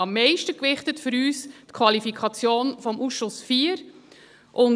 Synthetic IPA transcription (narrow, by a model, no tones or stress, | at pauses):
ɑmːɛɪʃtəkvɪχtətfʏɾyːstkʰvɑlifikʰɑt͡sjoːnfɔmʔuːsʃʊsfiːəɾ | ʔʊn